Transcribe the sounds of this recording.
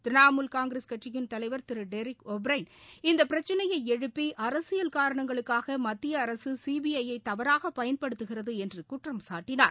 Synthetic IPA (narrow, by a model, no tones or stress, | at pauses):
t̪ɪɾɪnaːmulkaːŋɡɾeskɐʈt͡ʃɪjɪnt̪ɐlɐɪʋɐɾt̪ɪɾɯɖɛɾɪkɔbɾɐɪnɪnd̪ɐpːɪɾɐt͡ʃːɐnɐjɐɪɛɻɯpːiʔɐɾɐsɪjɐlkaːɾɐɳɐŋɡɐɭɯkːaːɣɐmɐt̪ːɪjɐːɾɐsɯsiːbiɐjɐɪt̪ːɐʋɐɾaːɣɐpːɐjɐnpɐɽɯt̪ːɯɣɪrɐðɯɛndrɯkʊʈrɐmsaːʈːɪna̰ːɾ